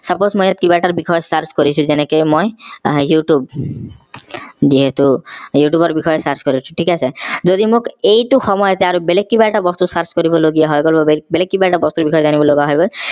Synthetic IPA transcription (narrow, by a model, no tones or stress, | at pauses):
sʌposmojat̪̚kibaʈaɹbixʰɔjɔsaɾskoɾisʰũzɛnekojmojjuʈjub̚ | ziɦet̪ujuʈjubɔɾbixʰɔjɔsaɾskɔɾisʰũ̥ʈʰikasʰezod̪imʊkejʈuxɔmɔjɔt̪ɛaɾubelek̚kːibajʈabɔst̪usaɾskoɾibɔloɡijaɦɔjɡolbabebelek̚ːibaʈabɔst̪uɾbikʰɔjɔzanibɔloɡaɦɔjɡɔl